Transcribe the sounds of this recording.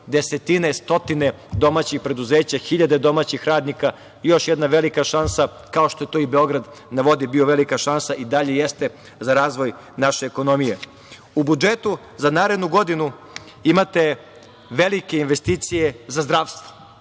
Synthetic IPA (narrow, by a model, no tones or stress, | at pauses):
d̪e̞set̪inest̪o̞t̪ine̞ | d̪o̞maːt͡ɕixpɾe̞d̪uzeːt͡ɕaxiʎad̪e̞d̪o̞maːt͡ɕixɾaːd̪nika | jo̞ʃjed̪naʋe̞likaʃansa | kao̞ʃt̪o̞je̞t̪oibeo̞ɡɾad̪ | naʋo̞d̪ibio̞ʋe̞likaʃansaʔid̪aʎe̞jest̪e | zaɾaːzʋo̞j | naʃeːko̞no̞mije | ubud͡ʒet̪u | zanaːɾed̪nuɡo̞d̪inu | imat̪e̞ | ʋelikeinʋe̞st̪iːt̪sijezazd̪ɾaːʋst̪ʋo̥